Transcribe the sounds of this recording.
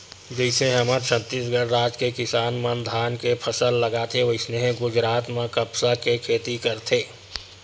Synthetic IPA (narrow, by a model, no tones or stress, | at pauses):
d͡ʒəɪseɦəmãt͡ʃʰə̃t̪ːisɡəɽɾaːd͡ʒkekɪsaːnmə̃nd̪ʱaːnkepʰəsəlːəɡaːt̪ʰeoɪsneɦɡʊd͡ʒɾaːt̪mãkəpsakekʰeːt̪ikəɾt̪ʰeː